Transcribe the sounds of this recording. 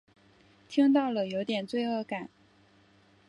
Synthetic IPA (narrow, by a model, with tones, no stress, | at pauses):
t̪ʰi˥ŋt̪̬ɑ˥˩ʊlə˩jo˧˥ʊt̪jɛ˨˩nt͡swe˥˧ɪɤ˥˩ka˨˩˦n